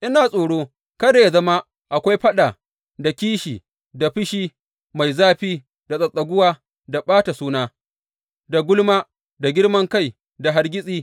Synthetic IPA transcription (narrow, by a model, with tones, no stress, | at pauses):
ʔɪ˦naː˨sʼoː˨ɽoː˦ | kɐ˦daː˨ja˨zɐ˦ma˦ | ʔa˨kʷa˦jɸɐ˦ɗa˨ | da˨kʲiː˦ʃiː˨ | da˨ɸɪ˦ʃiː˦ | ma˨jzaː˦ɸiː˦ | da˨sʼɐ˨sʼɐ˨ɡʷʊ˦waː˦ | da˨ɓaː˦ta˨suː˦naː˦ | da˨ɡʷʊ˦lmaː˦ | da˨ɡʲɪ˦ɽmɐ˦ŋka˦˨j | da˨ɦa˦rɡʲɪ˦sʼiː˦